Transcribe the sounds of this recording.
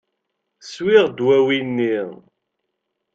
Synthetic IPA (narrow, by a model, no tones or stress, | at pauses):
swiʁd̪wæwinːi